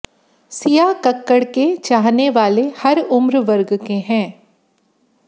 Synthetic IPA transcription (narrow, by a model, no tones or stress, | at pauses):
sijakɐkːəɽket͡ʃaːɦneʋaːlehɐɾʊmɾʋɐɾɡkeɦɛ̃ː